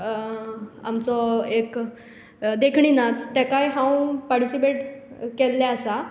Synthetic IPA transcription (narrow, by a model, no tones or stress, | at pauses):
a̰mt͡sɔek | d̪ekʰɳinat͡st̪ɛkajɦãwpaɾʈisipeʈkelːɛəsa